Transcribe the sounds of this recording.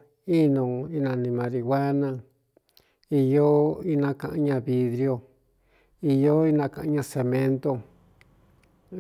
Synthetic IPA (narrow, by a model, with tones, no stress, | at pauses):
i˦nõ˨i˧nã˨˧nĩ˧mã˧ɾi˧wʷa˦nã˧ | i˧jo˦i˦nã˦kã˧ʔɲã˧βi˧ðɾi˧˦o˧ | i˧jo˦i˧nã˧kã˨ʔã˧ɲã˧se˧mẽ˦nt̪o˧